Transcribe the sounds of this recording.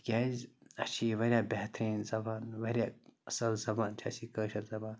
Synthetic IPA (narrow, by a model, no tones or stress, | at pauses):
ɡʲaːzɐt͡ʃʰiːʋɐɾʲjaːbʲeht̪ʰɾĩːnzɐbaːnʋɐɾʲjaɐsɐlzɐbaːnt͡ʃʰiɐsiːkəːʃɐlzɐbaːn